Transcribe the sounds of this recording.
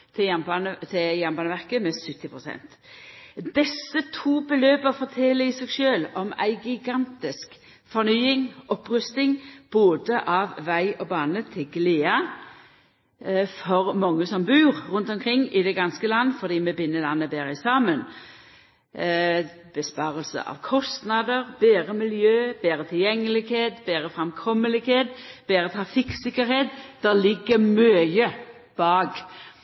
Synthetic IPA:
t̪ʰɪjɛbɑnt̪ʰɪjænbɑːnəʋæʁkəmɛsʏt̪ːɪpʁʊsɛ̰nt̪ | d̪ɛsːət̪ʰuːbəløːbəfɔt̪ʰɛlːəɪsɛɡʃøːlɔmæ̰ɪɡɪɡɑnt̪ɪsk | fɔʁnyːɪŋʔɔpːɾʉst̪ɪŋb̥oːd̪əʔɑʋʋæɪʔɔbɑːnət̪ʰɪlɡleːɑ | fɔʁmɑŋːəsɔmbʉːʁʁʉnt̪ɔmkʰʁɪŋːɪd̪ɛɡɑnskəlɑnːəfɔd̪iːmɛbɪnːəlɑnːəbeːɾəɪsɑːmən | b̥əspɑːʁəlsə̰ʔɑ̰ʋkʰɔst̪nɑd̪əʁb̥eːʁəmɪljøːb̥eːɾət̪ʰɪljɛŋːəlɪɡheːt̪beːɾəfʁɑmkʰɔməlɪɡheːt̪b̥eːɾət̪ʰʁɑfɪksɪkːəɾheːt̪d̪̥ɛlɪɡːəmœːjə | b̥ɑːɡ

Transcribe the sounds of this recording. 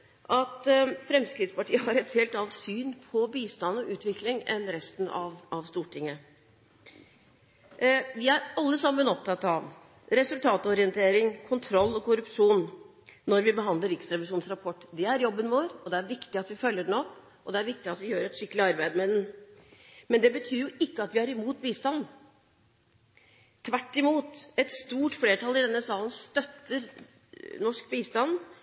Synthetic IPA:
ʔɑt̪fɾɛmskɾɪd̪spɑʈʰiːəɦɑɾɛt̪heːlt̪ɑlt̪syːnpʰɔbiːst̪ɑnɔʔʉːt̪ʋɪklɪŋɛ̰nɾɛst̪n̩ɑ̰ʋʔɑʋst̪uːʈʰɪŋːə | ʋɪæɾɑlːəsɑmːənɔp̚t̪ʰɑt̪ːɑʋ | ɾɛsʉlt̪ʰɑːt̪əɔɾɪənt̪ʰeːɾɪŋkʰʊnt̪ʰɾɔlːɔkʊɾʉpʂuːnː | ɔɾʋɪbəɦɑnd̪ləɾɪkst̪ɾɛʋɪʂuːnsɾɑpʰɔʈːd̪ɛæɾjɔbːənʋoːɾɔd̪ɛæɾʋɪkt̪ɪɑt̪ʋɪfœljəɖn̩ɔpː | ʔɔd̪ɛæɾʋɪk̚t̪ɪɑt̪ʋɪjøːɾɛt̪ʂɪkːəlɪɑɾbæɪd̪əmɛd̪ɛn | mɛnd̪ɛbət̪ʰyːɾjʊɪkːəɑt̪ʋɪhɑɾɪmuːt̪̚biːst̪ɑn | ʋæʈːɪmuːt̪ɛt̪st̪uːʈfleːʈʰɑlːɪd̪ɛnːəsɑːlən̩st̪œt̪ːəɾ | nɔʂkbiːst̪ɑnd̪

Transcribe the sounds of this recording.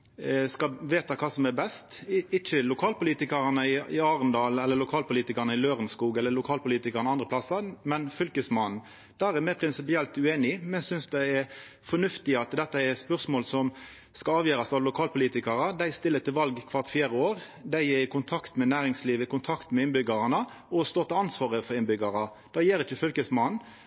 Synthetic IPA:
skɑʋeːt̪ɑkʰɑːsɔmɛɾbɛst̪ɪt͡ʃːəlʊkʰɑːlpʊliːt̪ɪkəɾɑnəɪɪɑːɾənd̪ɑːlɛlːəɾlʊkʰɑːlpʊliːt̪ɪkəɾnəɪløːʁənskuːɡɛlːəɾlʊkʰɑːlpʊliːt̪ɪkəɾnɑnd̪ʁəpʰlɑsəmɛnfʏlkəsmɑnn̩ | d̪̥æːɾɛmæɪpʰɾɪnsɪpɪɛlt̪ʉeːnɪmɛnsʏnsd̪æɪɛɾ | fɔnʉft̪ɪɑt̪d̪ɛt̪ːəɛɾspœɾsmoːlsɔm | skɑɑːʋjøːɾɑsɑʋlʊkʰɑːlpʊliːt̪ɪkɑɾɑd̪æɪst̪ɪlːət̪ʰɪlʋɑlɡkʰʋɑʁt̪fjeːɾəoːɾ | d̪æɪɛɾɪkʊnt̪ʰɑkt̪mɛnæːɾɪŋsliːʋəɪkʊnt̪ʰɑkt̪mɛɪnbʏɡɑʁɑnə | ɔst̪oːt̪ɪlɑnsʋɑːʁəfɔʁɪnbʏɡɑɾɑd̪̥ɑːjeːɾɪçəfʏlkəsmɑnn̩

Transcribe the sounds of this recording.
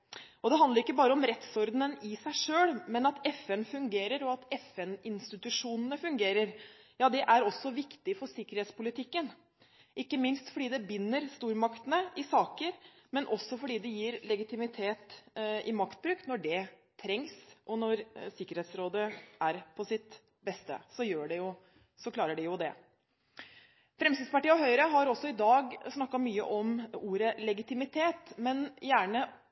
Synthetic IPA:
ɔd̪ɛɦɑnd̪əɾɪkːəbɑːɾəɔmɾɛt̪sɔɾd̪nənɪsæɪʂøːlmɛnɑt̪ɛfɛnfʉŋɡeːɾəɾɔɑt̪ɛfɛnɪnst̪ɪt̪ʉʂuːnənəfʉŋɡeːɾəɾjɑːd̪ɛʔæɾɔsːɔʋɪkt̪ɪfɔʂɪkːəɾheːt̪spʊlɪt̪ʰɪkːən | ʔɪkːəmɪnst̪fɔɖiːd̪ɛbʏnːəɾst̪uːɾmɑkt̪ənəɪsɑːkəɾmɛnʔɔsːɔfɔɖiːd̪ɛjiːɾlɛɡɪt̪ɪmɪt̪ʰeːt̪ʔɪmɑkt̪̚bɾʉːkt̪nɔɖɛt̪ʰɾɛŋsʔɔnɔɾsɪkːəɾheːt̪sɾoːd̪əæɾpʰɔsɪt̪ | bɛst̪ə̰sɔjøːɖɛjʊ | sɔkʰlɑːɾəɖɛjʊd̪ɛ | fɾɛmst̪id̪spɑʈiːəɔɦœʏɾəɦɑɾɔsːɔɪd̪ɑːɡsnɑkːɑmyːə̰ʔɔmuːɾəlɛɡɪt̪ɪmɪt̪ʰeːt̪mɛnjæːɳə

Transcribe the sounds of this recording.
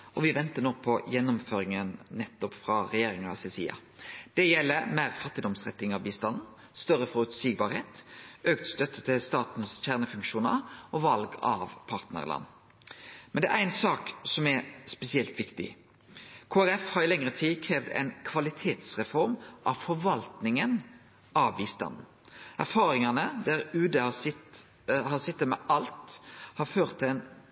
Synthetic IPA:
ʔɔʋɪʋɛnt̪ənoːpʰɔjɛnːʊmføːɾɪŋənnɛt̪ːɔpfʁɑʁɛjeːɾɪŋɑ̰sɛsḭːɑ̰ | d̪̥ɛjɛlːəmæɪʁfɑt̪ːɪd̪ɔmsʁɛt̪ːɪŋɑʋbiːst̪ɑnn̩ | st̪œɾəfɔʁʉt̪siːɡ̚bɑɾheːt̪øːk̚t̪st̪œt̪ʰːət̪ʰɪlst̪ɑːt̪n̩sçæʁnəfʉŋkʃuːnə̰ʁɔʋɑlɡɑʋpʰɑːʁt̪nə̰ʁlʔɑ̰nː | mɛnd̪ɛʔæɛnsɑːksɔmæɾspɛsɪɛlt̪ʋɪkt̪ɪ̰ | kʰoːæʁɛfhɑɾɪlɛŋʁət̪ʰiːkʰʁeːʋd̪ɛ̰ɪnkʰʋɑlɪt̪ʰeːt̪sʁɛfɔɾmʔɑʋfɔɾʋɑlt̪nɪŋən | ɑʋbiːst̪ɑ̰nn̩ | ʔæʁfɑːɾɪŋɑnəd̪æʁʉːd̪əhɑsɪt̪ | hɑsɪt̪ːəmɛʔɑlt̪hɑføːʁt̪ʰːɪlɛɪn

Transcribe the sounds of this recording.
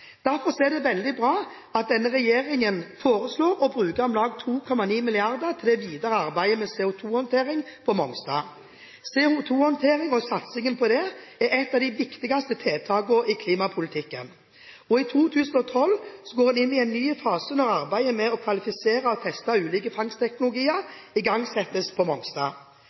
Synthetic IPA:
d̪̥æɾfɔsɔɛd̪ɛʋɛld̪ɪbʁɑː | ɑt̪̚d̪ɛnːəʁɛjeːʁɪŋənfoːɾəsloːɾɔbʁʉːkəʁɔmlɑːɡ̚t̪ʰuːkʰɔmɑniːmɪlɪɑʁd̪ət̪ʰɪld̪ɛʋiːd̪əʁəɑɾbæɪəmɛsɛʊt̪ʰuːhɔnt̪ʰeːʁɪŋpʰɔmɔŋsd̪ɑ̰ | sɛuːt̪ʰuːhɔnt̪ʰeːʁɪŋɔsɑt̪sɪŋənpʰɔd̪ɛæɾɛt̪ːɑʋd̪ɪʋɪkt̪ɪɡɑst̪ət̪ʰeːt̪ʰɑːɡʊɾikʰliːmɑpʰʊlɪt̪ʰɪkːə̰n | ɔit̪ʰuːt̪ʰʉːsn̩ɔt̪ʰɔlʋsɔɡoːd̪ɛnɪnːɪɛɪnːyːfɑːsənɔʁɑʁbæɪəmɛɔkʰʋɑlɪfɪseːʁɑɔt̪ʰɛst̪ɑʉːliːkəfɑŋst̪ʰɛknʊlʊɡiːəʁɪɡɑŋsɛt̪ːəspʰɔmɔŋsd̪ɑ̰ː

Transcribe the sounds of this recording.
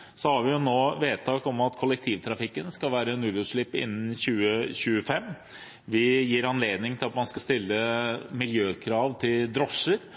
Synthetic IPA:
sɔhɑɾʋɪjʊnoːʋeːt̪ʰɑːkɔmɑt̪kʰɔlːək̚t̪ʰiːʋt̪ʰɾɑfɪkːənskɑlʋæːɾənʉːləʂɭɪpːɪ̰nːn̩çʉːəɕʉːəfɛmː | ʋɪjiːɾɑnleːd̪nɪŋt̪ʰɪlɑt̪mɑnskɑst̪ɪlːəmɪljøːkʰɾɑːʋt̪ʰɪld̪ɾɔʂːəɾ

